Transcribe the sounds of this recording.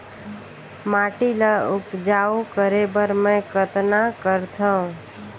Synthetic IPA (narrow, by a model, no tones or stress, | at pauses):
maʈiləupd͡ʒaokəɾebəɾməjkət̪nakəɾt̪ʰəũ